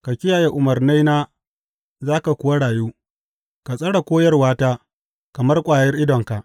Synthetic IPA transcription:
ka˨kʲɪ˦jaː˨je˦ʔʊ˨mɐ˨rna˦jnaː˦ | zaː˦ka˨kʷʊ˦wa˦ɽaː˨juː˦ | ka˨sʼɐ˦ɽa˨kʷoː˦jɐ˦rwaː˦taː˦ | kɐ˨mɐ˦rkʷʼaː˨jɐ˦rʔɪ˦dɔ˨ŋka˨ʔ

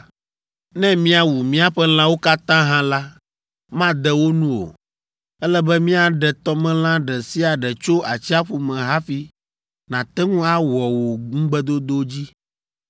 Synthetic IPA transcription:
nɛ̃˦mĩ˦a˨wu˨mĩ˦a˦ɸɛ˦l̃ã˦wo˦ka˦t̪ã˦ɦã˦la˦ | mã˦d̪ɛ˨wo˦nũ˦o̰˨ | ɛ˦lɛ˦bɛ˦mĩ˦a˨ɖɛ˨t̪ɔ˦mɛ̃˦l̃ã˦ɖɛ˨si˦a˨ɖɛ˨t͡ʃo˦a˨t͡ɕi˦a˦ɸu˨mɛ̃˨ɦa˦fi˦ | nã˨t̪ɛ˦ŋũ˦a˦wɔ˨wo˨ŋũ˦ɡ͡bɛ˦d̪o˦d̪o˦d͡ʑi˦

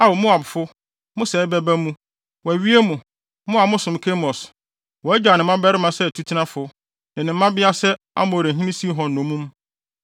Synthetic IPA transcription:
a˦˨wo˨mʊ̃˦a˨bʊ˨fʊ˦ | mʊ̃˦sɛː˨˦bɛ˦bæ˦mũ˦ | wɔ˨æ˨ɥi˦e˦mũ˨ | mʊ̃˦a˨mʊ̃˦sʊ̃˨mkʰe˦mɔ˨s | wɔ˨æ˦d͡ʑᶣa˨nɪ̃˨mːã˦bɛ˦ɾɪ˦mã˨sɛ˦˨tʰu˦tʰi˦nã˦fʊ˨ | nɪ̃˨nɪ̃˨m̩˦mã˦bɪ˦a˦sɛ˦ | a̰˦mʊ̃˨ɾe˨ɦĩ˦nĩ˦si˦ɦɔ̃˨n̩˨nʊ̃˨˦mũ˦m

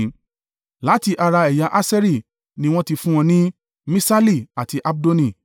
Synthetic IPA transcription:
la˨˦ti˧ʔa˧ɾa˧ɛ˨ja˧ʔa˦sɛ˦ɾi˦˨ | nĩ˧w̃ɔ̃˦ti˧fũ˦w̃ɔ̃˧nĩ˦ | mĩ˦sa˦li˦˨a˨ti˧ʔa˦b̚do˦nĩ˦˨

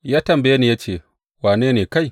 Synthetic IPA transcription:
jaː˦tɐ˨mbje˦ni˨jaː˦t͡ʃeː˦˨ | waː˨neː˦neː˨ka˦˨j

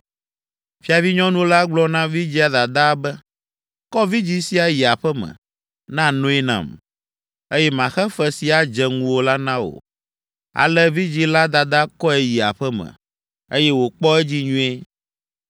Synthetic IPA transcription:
fi˦a˨vi˦ɲɔ̃˦nũ˦la˦ɡ͡blɔ˦nã˦vi˦d͡ʑi˦a˨d̪a˨d̪a˦bɛ˦ | kɔ˦vi˦d͡ʑi˦si˦a˨ji˨a˨ɸɛ˦mɛ̰̃˨ | nã˦nõ˦ɛ˦nã̰˨m | e˦jɛ˦mã˨xɛ˦fɛ˦si˨a˨d͡ʒɛ˨ŋũ˦wo˦la˦nã˦wo̰˨ | a̰˨lɛ˦vi˦d͡ʑi˦la˦d̪a˨d̪a˦kɔ˦ɛ˨ji˨a̰˨ɸɛ˦mɛ̰̃˨ | e˦jɛ˦wo˨k͡pɔ˦ɛ˦d͡ʑi˦ɲũ˦e˦

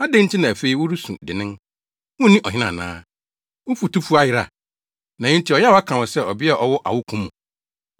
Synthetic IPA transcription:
a˦dẽ˦n̩˦tʰɪ˦nã˨æ˨fe˦i˦wʊ˦ɾu˦sṵ̃˨dɪ˨nɪ̃˦n | wʊ̃˦nĩ˦ʔɔ˨hɪ̃˦nã̰˨nã̰ː˦ | wʊ˦fu˨tu˦fu˦a˦jɪ˦ɾa̰˨ | nã˨ɪ̃˦n̩˦tʰi˨ɔ˨jɛ˦˨ɔ˨a˦kʰã˨wʊ̃˨sɛ˦ɔ˨bɪ˦a˨ʔɔ˨wʊ˦ʔa̰˨wʊ˦kʰũ˦mːũ˨

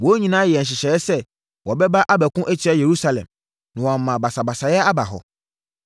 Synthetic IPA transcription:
wɔ˨˦ɲĩ˨nãː˦jɛ˨ɕ̬ɪ˨ɕɛ˨˦ɛ˦sɛ˦ | wʔɔ˨bɛ˦ba˦ʔa˦bɛ˨kʊ̃˦ʔɛ˦t͡ɕʰɪ˨˦ɛ˦je˨ɾu˦sa˨lɛ̰̃˨m | nɪ̃˨wɔ˨a˨mã˨ba˨sa˨ba˨sa˨jɛ˦a˦ba˨ɦɔ̰˨

